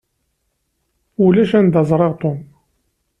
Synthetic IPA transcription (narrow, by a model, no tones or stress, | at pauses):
ulæʃænd̪ɑzˤɾˤeʁt̪ˤon